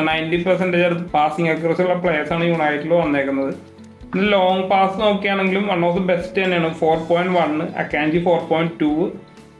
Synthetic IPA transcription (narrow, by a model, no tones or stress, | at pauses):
nɐjntipɐrsɐnɖeeɽut̪ːɨpaːsiŋɡɐkːrɐsiuɭːɐpɭeːsaːɳɨjuːɳaːjiʈːiloːʋɐnːeːkːunːɐðɨ | enːɨlo̞ːŋpaːsɨno̞ːkːijaːɳe̞ŋɡilumʋɐɳːoːsɐbe̞sʈːɨt̪ɐnːejaːɳɨfo̞ːrpoːjɳnɖʋɐɳːɨʔɐ̰kːaːɲd͡ʑifo̞ːrpo̞ːjnɖtːuː